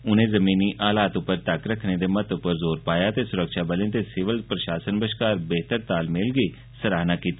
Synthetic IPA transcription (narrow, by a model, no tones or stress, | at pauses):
ʊnẽzɐmiːniʔaːlaːt̪ʊpːəɾt̪əkɾɐkʰned̪emət̪ʊpəɾzoːɾpaːjat̪esʊɾəkʃabəlẽt̪esɪʋəlpɾɐʃaːsənbəʃkaːɾbeːt̪əɾt̪aːlmɪlɡe | sɐɾaːnakiːt̪aː